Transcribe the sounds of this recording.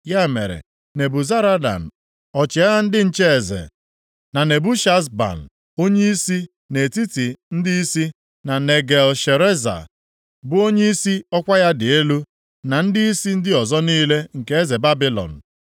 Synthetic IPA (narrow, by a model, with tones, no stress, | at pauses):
ja˦e˨mḛ˨ɾḛ˨ | ne˨bu˨za˦ɾa˦da̰˨n̩˨ | ɔ˨t͡ʃɪ˨a˦a˦n̩˦dɪ˦n̩˦t͡ʃe˦e˨zḛ˨ | na˨ne˨bu˦ʃa˦sba̰˨n̩˨ | o˦ɲe˦i˦si˦ | ne˨ti˦ti˨n̩˦dɪ˦i˦si˦ | na˨ne˨ɡe˨lʃe˨ɾe˦za̰˨ | bʊ˦o˦ɲe˦i˦si˦ɔ˦kʷa˦ja˦dɪ˨e˦lu˦ | na˨n̩˦dɪ˦i˦si˦n̩˦dɪ˦ɔ˨zɔ˦niː˦le˦ŋ̩˨ke˦e˦ze˨ba˦bi˦lɔ̰˨n̩˨